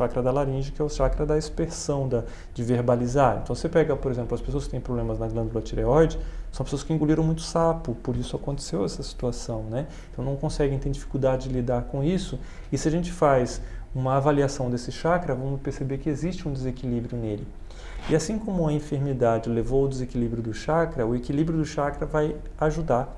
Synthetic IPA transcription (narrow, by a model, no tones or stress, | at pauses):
ʃakɾɐd̪ɐlaɾĩʒɐkɪɛʊʃakɾɐd̪ɐispeɾsɐ̃w̃d̪ɐ | d͡ʒɪveɾbalizaɾḛ̃nt̪ɐ̃w̃sepɛɡɐpoɾezẽmplʊɐspesoɐskɪ̥t̪ẽj̃pɾoblẽmɐznɐɡlɐ̃ɡ̪uluɐt͡ʃiɾeɔjd͡ʒɪsɐ̃w̃pe̥sowɐskɪĩŋɡuliɾɐ̃w̃mũj̃t̪ʊ̥sapʊpoɾisʊakõnt̪e̥sewɛsɐsi̥t̪uasɐ̃w̃nɛ̃ | t̪ɐ̃w̃nɐ̃w̃kõsɛɡẽj̃t̪ẽɾd͡ʒifi̥kuwd̪ad͡ʒɪd͡ʒɪlid̪aɾkõisʊ | ɪsɪaʒẽnt͡ʃɪ̥fajzũmɐavaliasɐ̃w̃d̪esɪʃakɾɐvɐ̃mʊspeɾsebeɾkɪezist͡ʃɪũd̪ezekilibɾjʊnelɪ | ɪasĩkõmʊɐĩfeɾmid̪ad͡ʒɪlevowʊd̪ezekilibɾjʊd̪ʊʃakɾɐʊekilibɾjʊd̪ʊʃakɾɐvajaʒud̪aɾ